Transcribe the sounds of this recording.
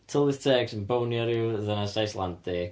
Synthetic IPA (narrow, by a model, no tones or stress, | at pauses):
tʰəlˠɪθtʰɛːɡsənbownjɔɾiðənasajsla̰ntʰɪ